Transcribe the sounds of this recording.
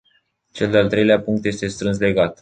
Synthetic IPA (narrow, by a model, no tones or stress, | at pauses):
t͡ʃe̞ld̪ealt̪ɾe̞jleapuŋkt̪je̞st̪e̞st̪ɾɨns̬le̞ɡat̪